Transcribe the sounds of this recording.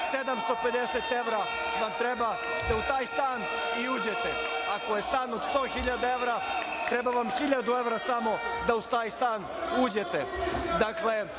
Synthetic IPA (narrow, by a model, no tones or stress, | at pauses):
sed̪amst̪o̞pe̞d̪e̞set̪e̞ʋɾa | ʋamt̪ɾeba | d̪aut̪aːjst̪aːn | iuːd͡ʑet̪eakojest̪aːnod̪st̪o̞ːxiʎad̪ae̞ʋɾa | t̪ɾe̞baʋamxiʎad̪ue̞ʋɾasamo̞d̪aust̪aːjst̪aːn | uːd͡ʑet̪ed̪akle